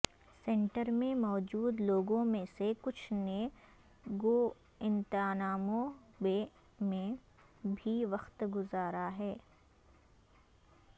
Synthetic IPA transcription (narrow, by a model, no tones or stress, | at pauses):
sɛ̃ɳʈəɾmẽmɔːd͡ʒuːd̪loːɡõmẽsekʊt͡ʃʰne | ɡoː | ɪ̃nt̪ɪaːnaːmõbe | mẽ | bʱiʋɐxt̪ɡʊzaːɾaɦɛː